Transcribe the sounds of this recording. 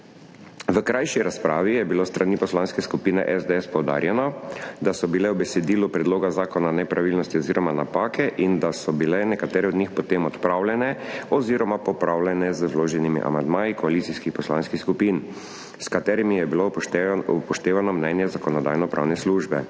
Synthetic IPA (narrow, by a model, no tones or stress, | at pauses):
ʋəkɾʔajʃiɾaspɾaːʋijɛbilost̪ɾanipɔslanskɛskupiːnɛ̰ʔɛzd̪eɛspɔwd̪a̰ːɾjɛnɔd̪asɔbilɛwbɛsɛd̪iːlupɾɛd̪loːɡazaːkɔnanɛpɾaʋilnɔst̪iɔziːɾɔmanapaːkʰɛʔind̪asɔbilɛnɛkat̪ɛːɾɛɔd̪nɲixpɔt̪eːmɔt̪pɾaːwlɛnɛɔziːɾɔmapɔpɾaːwlɛnɛzəwloːʒɛnimḭʔa̰mand̪maːjikɔalit̪siskixpɔsla̰nskixskupiːn | skat̪ɛːɾimijɛbiloupɔʃt̪eːʋanɔmnɛnjɛzakɔnɔd̪a̰jnɔpɾa̰ːwnɛsluːʒbɛ̰